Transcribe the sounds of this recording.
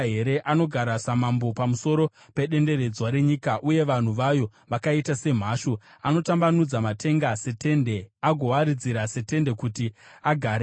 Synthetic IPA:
ɦe̞ɾe̞ʔano̞ɡʱaɾasamambo̞pamuso̞ɾo̞ | pe̞ɗe̞nde̞ɾe̞d͡zwaɾe̞ɲikaʔuje̞ʋan̤uʋajo̞ʋakaitase̞m̤aːʃo | ano̞tambanud͡zamatʰe̞ŋɡase̞te̞nde̞aɡʱo̞waɾid͡ziɾase̞te̞nde̞kutiaɡʱaːɾe

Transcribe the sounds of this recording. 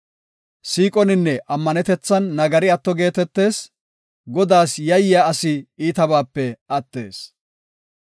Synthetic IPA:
siːkʼɔnɪnːɛʔɐmːɐnɛt̪ɛt͡sːɐnːɐɡɐɾɪɐt̪ːɔɡe̞ːt̪ɛt̪ːe̞ːs | ɡɔd̪aːsjɐjɪjaːɐsɪiːt̪ɐbaːpːɛɐt̪ːe̞ːs

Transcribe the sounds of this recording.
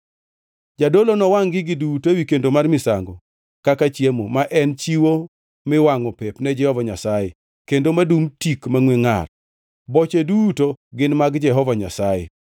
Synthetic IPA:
d͡ʒadolonɔwaŋɡɪɡɪdutowikendomarmɪsa̰ŋɡɔ | kakat͡ʃjemomaʔɛnt͡ʃiwo | mɪwaŋɔpɛpnɛd͡ʒɛhɔvaɲasaje | kendomadumtikmaŋweŋa̰r | bɔt͡ʃedutoɡɪnmaɡd͡ʒɛɦɔvaɲa̰sajḛ

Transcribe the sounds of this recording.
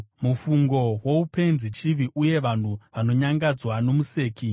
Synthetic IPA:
mufuŋɡo̞wo̞upʰe̞nzit͡ʃiʋiʔuje̞ʋan̤uʋano̞ɲaŋɡad͡zwano̞muse̞ːki

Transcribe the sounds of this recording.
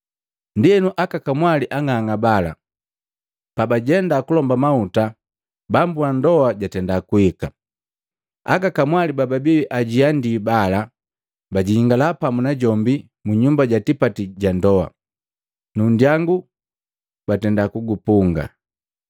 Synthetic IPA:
ndiɛnuʔakakamwaliʔaŋaŋabala̰ | pabaɟɛndakulɔmbamauta | bambuandɔaɟatɛndakuhika | a̰kakamwalibababiwiʔaɟiandibala | baɟihiŋɡalapamunaɟɔmbi | muɲumbaɟatipatiɟandɔa̰ | nundjaŋɡu | batɛndakuɡupuŋɡa̰

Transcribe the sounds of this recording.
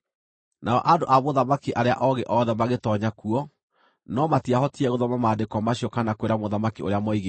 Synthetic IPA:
nʔaɔ̰ʔandoʔamoðamakiʔaɾea̰ʔɔɣeʔɔðɛmaɣetɔɲakuɔ | nɔmatiahɔtiɛɣoðɔmamaːdekɔmaɕiɔkanakweɾamoðamakio̰ɾeamɔiɣe

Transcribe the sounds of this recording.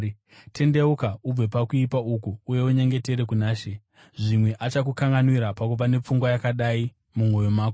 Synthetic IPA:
tʰe̞nde̞ukaub͡vepakuipaukuːje̞uɲe̞ŋɡe̞te̞ɾe̞kunaːʃe̞ | ʐimwe̞ʔat͡ʃak̬ukaŋɡanwiɾapakuʋane̞p͡fuŋɡwajakaɗai | mumo̞jo̞maːko

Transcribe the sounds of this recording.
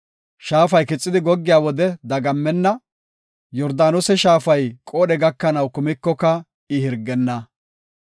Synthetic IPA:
ʃaːfɐjkɪt͡sʼːɪd̪ɪɡɔɡːɪjaːwɔd̪ɛd̪ɐɡɐmːɛnːɐ | jɔɾd̪aːnɔsɛʃaːfɐjkʼoːɗɛɡɐkːɐnɐwkʊmɪkːɔkɐ | ɪhɪɾɡːɛnːɐ

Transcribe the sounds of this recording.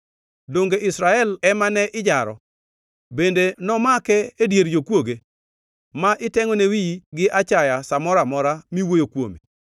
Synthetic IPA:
doŋɡeʔɪsɾaɛlɛmanɛʔɪd͡ʒaɾɔ̰ | bendenɔmakɛedjeɾjokwoɡe | maʔɪtɛŋɔnewiɡɪʔat͡ʃajasamɔɾamɔɾamiwojokwo̰mi

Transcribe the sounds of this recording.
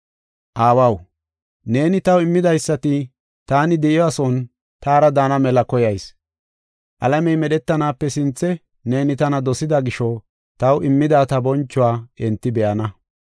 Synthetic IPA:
ʔaːwɐw | ne̞ːnɪt̪ɐwɪmːɪd̪ɐjsːɐt̪ɪ | t̪aːnɪd̪ɛʔɪɔɐsɔn | t̪aːɾɐd̪aːnɐmɛlɐkɔjɐjs | ʔɐ̰lɐmɛjmɛɗɛt̪ːɐnaːpːɛsɪnt͡sːɛ | ne̞ːnɪt̪ɐnɐd̪ɔsɪd̪ɐɡɪʃɔ | t̪ɐwɪmːɪd̪aːt̪ɐbɔnt͡ʃːʊwaːɛnt̪ːɪbɛʔɐnɐ

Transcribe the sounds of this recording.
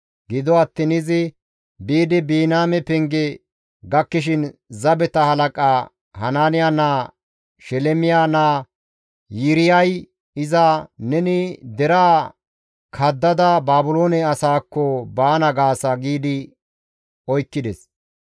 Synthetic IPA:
ɡɪd̪ɔɐt̪ːɪnɪzɪ | biːd̪ɪbiːnaːmɛpɛŋɡɛ | ɡɐkːɪʃ̬ɪnzɐbɛt̪ɐhɐlɐkʼaː | hɐnaːnɪjanaː | ʃɛlɛmɪjaːnaː | jɪɾɪjɐj | ɪzɐnɛnɪd̪ɛɾaː | kʰɐd̪ːɐd̪ɐbaːbʊloːnɛɐsaːkːɔbaːnɐɡaːsɐɡiːd̪ɪ | ɔjkːɪd̪ɛs

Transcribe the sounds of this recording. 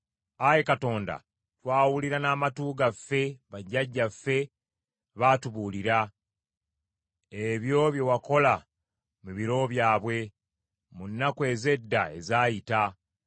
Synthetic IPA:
aje̞kato̞ːnda̰ | twaːwuliɾanaːmatuːɡafːe̞βaɟːaɟːafːe̞ | βaːtuβuːliɾa | eβjo̞ːβje̞wako̞la | muβiɾo̞βjaːβwe̞ | munːakwe̞ːze̞dːae̞̰zaːjita

